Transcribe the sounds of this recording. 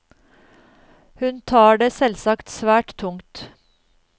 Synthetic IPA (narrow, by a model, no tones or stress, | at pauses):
hʉnt̪ʰɑːɖeːsɛlsɑkt̪sʋæːʈt̪ʰːʊŋt̪